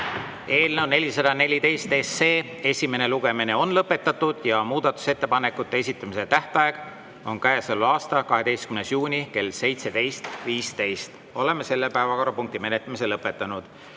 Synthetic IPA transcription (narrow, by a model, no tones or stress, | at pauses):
e̞ːlnewne̞lʲisɑd̪̥ɑne̞lʲit̪e̞jst̪esːe̞ː | e̞sʲime̞ne̞luɡ̥e̞mine̞o̞nlɤpːˑe̞t̪ːˑɑt̪ːud̪̥jɑmuːd̪̥ɑt̪ːˑu̥se̞t̪ːe̞pɑne̞kːˑut̪ːe̞es̬ʲit̪ːˑɑmise̞t̪æht̪ɑe̞ɡ̥ | o̞nkæeselːɑːst̪ɑkɑɦe̞d̪̥e̞jst̪̚kymnesjuːnʲike̞lːse̞jt̪se̞t̪e̞jst̪viːst̪e̞jst̪ | o̞le̞mːe̞se̞lːepæevɑko̞ɾrɑpuŋk̚t̪ime̞net̪ːˑɑmise̞lɤpːˑet̪ːˑɑnud̪̥